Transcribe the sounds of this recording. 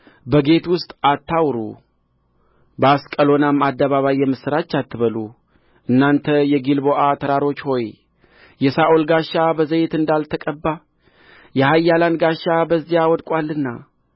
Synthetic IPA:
bəɡe̞t̪wʊst̪ʼat̪ːawɾṵ | bəaskʼəlo̞namːad̪ːəβaβajːɛmɨsɨɾat͡ʃːat̪ːɨβəlu | ʔɨnːant̪ʰəjɛɡilboʔat̪ʰəɾaɾo̞t͡ʃːho̞j | jɛsaʔolɡaʃːabəzəjt̪ɨnd̪alt̪ʰəkʼəbːa | jɛhajːalanɡaʃːabəzːijawɔd̪kʼwalːɨnːa

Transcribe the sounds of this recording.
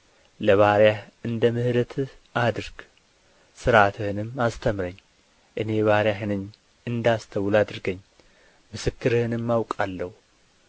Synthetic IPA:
lɐβaɾjahɨnd̪ɐmɨhd̪ɐt̪ʰ | ad̪ɨɾɡ̥ | sɨɾʔat̪ʰɨhɨnɨmast̪ʰɐmɾɐɲː | ʔɨne̞βaɾjaħɨnɨɲ | ɨnd̪ast̪ʰɐwlad̪ɨɾɨɡɐɲː | mɨsɨkːɨɾɨhɨnɨmːawkʼalːɐw

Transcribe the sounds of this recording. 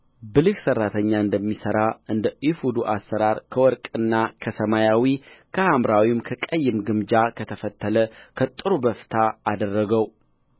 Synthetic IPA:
bɨlɨksərːat̪ʰəɲːaɨnd̪əmːisəɾaʔɨnd̪əʔifud̪uʔasːəɾaɾkʰəwɔɾkʼɨnːakʰəsəmajawikʰəhamɾawimkʰəkʼəjːɪmɡɨmd͡ʒakʰət̪ʰəfət̪ʰːələkʰət̪ʼɨɾubəft̪ʰaːd̪ərːəɡəw

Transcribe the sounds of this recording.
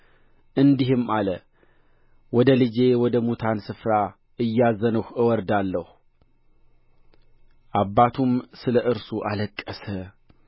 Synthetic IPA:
ʔɨnd̪iɦɨmalə | wɔd̪əlɨd͡ʒe̞wɔd̪əmut̪ʰansɨfɾa | ɨjːazənəhɨwɔɾd̪alːəhu | ʔabːat̪ʰumsɨləʔɨɾsuʔaləkʼːəsə

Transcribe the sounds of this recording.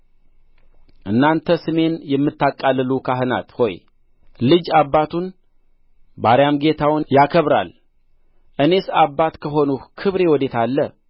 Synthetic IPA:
ʔɨnːant̪ʰəsɨme̞njɛmːɨt̪ːakʼːalːɨlukʰaɦɨna̰t̪ho̞̰j | lɨd͡ʒaβːat̪ʰun | baɾjamɡe̞t̪ʰawnjakʰəβɾa̰l | ʔɨne̞sabːat̪kʰəɦo̞nukʰɨβɾe̞wɔd̪e̞t̪ʰalːə

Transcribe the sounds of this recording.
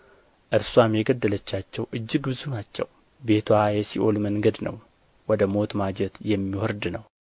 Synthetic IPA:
ʔɨɾswamjɛɡəd̪ːələt͡ʃːat͡ʃːɛwʔɨd͡ʒːɪɡbɨzunat͡ʃːɛ̰w | be̞t̪ʰwajɛsiʔo̞lməŋɡəd̪nə̰w | wɔd̪əmo̞t̪mad͡ʒɛt̪jɛmːiwɔɾd̪nəw

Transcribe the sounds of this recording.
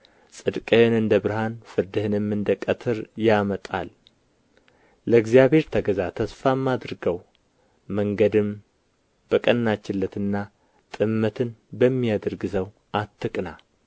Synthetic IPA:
sʼɨd̪kʼənɨnd̪əbɨɾɨhanfɨɾd̪ɨhɨnɨmːɨnd̪əkʼət̪ʰɨɾjamət̪ʼa̰l | ləɡzijaβhe̞ɾt̪ʰəɡəzat̪ʰəsfamːad̪ɾɨɡəw | məŋɡəd̪ɨm | b̥əkʼənːat͡ʃːɪlːət̪ɨnːa | t̪ʼɨmːət̪ʰɨnbəmːijad̪əɾɡɨsəw | ʔat̪ʰːɨkʼna

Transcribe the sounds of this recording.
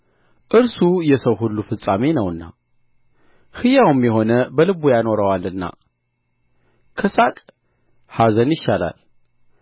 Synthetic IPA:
ʔɨɾsujɛsəwɦulːufɨsʼamenəwɨnːa̰ | hɨjawɨmjɛɦo̞nəbəlɨβujano̞ɾəwalɨnːa̰ | kʰəsakʼ | hazənjɪʃːala̰l

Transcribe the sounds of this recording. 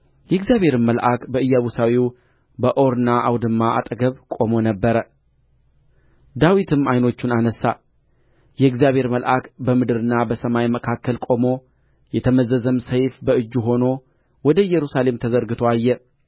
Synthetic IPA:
jɛɡzjaβhe̞ɾɨmːəlʔakbəɨjːaβusawiw | bəʔo̞ɾɨnaʔawd̪ɨmːaʔa̰t̪ʼəɡəβkʼo̞mo̞nəbːəɾə | d̪awit̪ʰɨmajno̞t͡ʃːunanəsːa̰ | jɛɨɡzijaβhe̞ɾməlʔakbəmɨd̪ɨɾɨnːabəsəmajməkʰakːəlkʼo̞mo̞ | jɛt̪ʰəməzəzəmsəjfbəɨd͡ʒːuɦo̞no̞ | wɔd̪əjɛɾusale̞mt̪ʰəzəɾɡɨt̪ʰoajːɛ

